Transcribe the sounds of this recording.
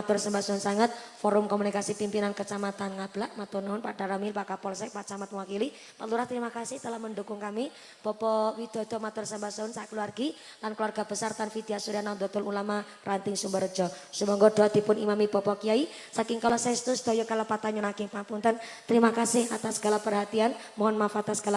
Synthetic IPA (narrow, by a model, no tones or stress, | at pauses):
at̪ʊrsəmbasɔʊnsaŋət̪̚fɔɾʊmkɔmunikasipimpinankət͡ʃamat̪anŋab̥laʔmat̪unaʊnpaɖ̥aɾamilpakapɔlsaʔpat͡ʃamat̪̚wakili | paluɾaht̪əɾimakasɪht̪əlahməndukʊŋkami | b̥ɔpɔwid̪̥ɔ̤d̥̪ɔ̤mat̪ʊrsəmbasɔʊnsakəluarɡi | lankluarɡ̥ab̥əsart̪anfid̪̥iasuɾianad̪ɔt̪ʊlulama | rʔant̪ɪŋsumbəɾd͡ʒɔsəmɔŋɡɔd̪̥oad̪̥i̤pʊnimamib̥ɔpɔkiai | sakɪŋkalɔsaɛst̪ʊsd̪̥ɔ̤jɔkalapat̪aɲɔnakɪŋpampʊnt̪ənt̪əɾimakasɪhat̪asəɡ̥alahpərɦat̪ian | mɔɦɔnmafat̪asəɡala